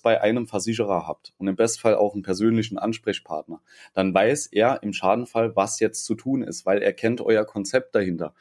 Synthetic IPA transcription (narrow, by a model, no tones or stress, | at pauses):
b̥aɪʔaɪnəmfɛɐzɪç̬əʁ̞ɐɦa̰ːp̚tʊntɪmbɛstn̩̥falʔa̰ʊxn̩pʰɛɐzøːnlɪç̬n̩ʔanʃpʁ̥ɛçpʰa̰ɐtnɐ | d̥anvaɪsʔeːɐʔɪmʃaːdn̩falvasjɛt͡stt͡sutʰuːnɪ̰stv̥aɪleːɐkʰɛntʔɔ̰ʏɐkʰɔnt͡sɛp̚t̚d̥ahɪntɐ̰